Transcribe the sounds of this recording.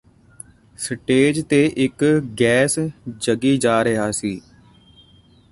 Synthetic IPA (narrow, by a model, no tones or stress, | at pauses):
sʈeːd͡ʒt̪eːʔɪkɡɛːsd͡ʒəɡiːd͡ʒaːɾəɦaːsiː